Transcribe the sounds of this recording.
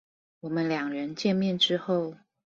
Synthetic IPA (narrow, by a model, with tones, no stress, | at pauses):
wɔ˨˩mə˦nljɑ˨˩ŋɻə˧˦nt͡ɕjɛ˥˧nmjɛ˥˨nʈ͡ʂɻ̩˥xo˥˨ʊ